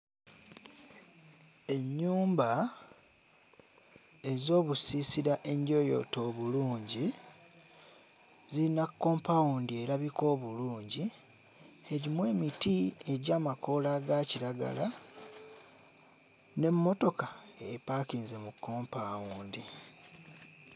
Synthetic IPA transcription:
e̞ɲːuːmba | e̞zo̞ːβusisiɾaʔe̞ndjo̞jo̞̰to̞ːβuluːɲɟi | ziinakːo̞ːmpawuːndie̞ɾaβiko̞ːβuluːɲɟi | eɾimwe̞ːmitie̞ɟaːmako̞laɡaciɾaɡa̰la | ne̞mːo̞to̞kaepaːkiːnze̞mukːo̞ːmpawuːndi

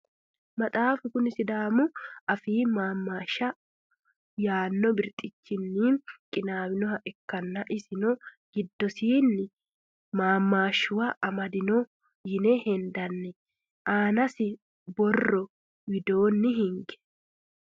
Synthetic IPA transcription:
mɐt̪ʼaːfʊkʊnɪsɪd̪aːmʊɐfiːmaːmːaːʃːɐ | jaːnːɔbɪɾt̪ʼɪt͡ʃːɪnːɪkʼɪnaːwɪnɔɦɐʔɛkːɐnːɐʔɪsɪnɔ | ɡ̥ɪd̪ːɔsiːnːɪ | maːmːaːʃːʊwɐʔɐmɐd̪ɪnɔ | jɪnɛhɛnd̪ɐnːɛ | ʔaːnɐsɪ | bɔrːɔ | wɪd̪oːnːɪɦɪŋɡɛ̥

